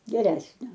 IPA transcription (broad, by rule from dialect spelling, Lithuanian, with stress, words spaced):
ɡʲɛˈrʲæːsʲnʲoː